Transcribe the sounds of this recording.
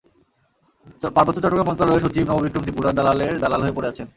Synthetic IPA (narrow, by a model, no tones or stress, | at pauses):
paɾbot̪ːot͡ɕɔʈːokamɔnt̪aɾɔeɾʃ̬ot͡ɕibnɔbobikːɾomt̪ipuɾad̪alaleɾd̪alalɦoepoɾeat͡ɕʰen